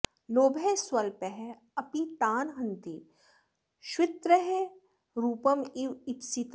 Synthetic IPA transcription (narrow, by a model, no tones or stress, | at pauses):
loːbʱeswɐlpeɦe | ɐpit̪aːnɦɐ̃nt̪i | ʃwɪt̪ɾəɦe | ɾuːpɐmiʋit̪sit̪